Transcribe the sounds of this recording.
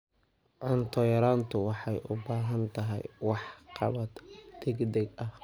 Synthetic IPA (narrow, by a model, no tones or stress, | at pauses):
ʕʊnt̪ʰɔjɐɾaːnt̪ʰʊwɑħɑjʔʊbaːɦɐnt̪ʰɐɦɛ̰jwɑħqɑ̰βɐd̪d̪̥ɛɡd̪ɛɡɐh